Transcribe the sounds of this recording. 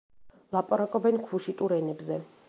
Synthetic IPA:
lˠapʼaɾakʼɔbɛnkʰuʃit̪ʼuɾɛnɛbzɛ

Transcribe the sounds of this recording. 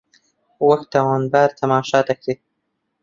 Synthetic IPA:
waxt̪awɑːnbaɾt̪ʰamɑːʃɑːt̪axi

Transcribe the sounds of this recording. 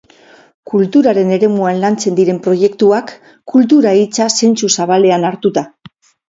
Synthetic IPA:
kult̪uɾaɾe̞ne̞ɾe̞muanlant͡se̞nd̪iɾe̞mpɾo̞je̞kt̪uakː | ult̪̬uɾait͡sase̞nt͡susaβale̞anaɾt̪ut̪a

